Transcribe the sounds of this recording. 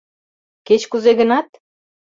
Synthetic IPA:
ket͡ɕkuzeɣə̆nɑt̪̚

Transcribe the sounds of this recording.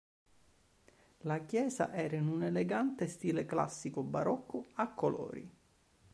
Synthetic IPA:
lakjɛːza̰ʔɛːɾainuneleɡant̪est̪iːlekla̰sːikobaɾɔkʰːʊakʰːolɔ̰ːɾḭ

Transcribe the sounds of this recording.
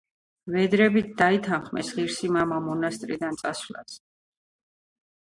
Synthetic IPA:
vɛd̪ɾɛbit̪̚ʰd̪ait̪ʰanχmɛ̰sʁiɾsimamamɔnast̪ʼɾḭd̪ant̪sʼasvla̰s

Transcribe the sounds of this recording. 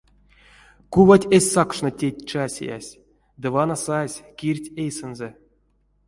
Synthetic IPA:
kuvatʲesʲsakʂnotʲetʲt͡ʃasʲḛja̰sʲ | d̪ɨvanasasʲkʲirʲtʲejsɛnzɛ

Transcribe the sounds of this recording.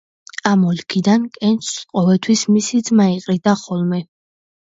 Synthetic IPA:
amɔlkʰid̪ankʼɛnt͡ʃsqʼɔvɛlˠt̪ʰwismisid̪zmaiqʼɾid̪aχɔlˠmɛ

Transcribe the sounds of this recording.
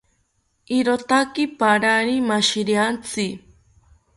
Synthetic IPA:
iɾot̪akipaɾaɾimaʃiɾiant͡si

